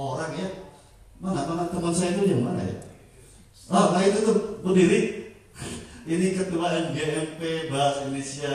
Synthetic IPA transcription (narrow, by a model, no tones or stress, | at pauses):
oɾaŋja | maŋamanat̪əmɔnsainud͡ʒamana̰ja̰ | anait̪ut̪əkəndiɾi | inikət̪uwaʔanɡeʔɛmpebaɦasidolesia